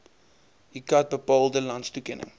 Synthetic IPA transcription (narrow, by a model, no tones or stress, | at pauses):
ikat̚bəpɑːlˠdəlanstukɛnə̰ŋ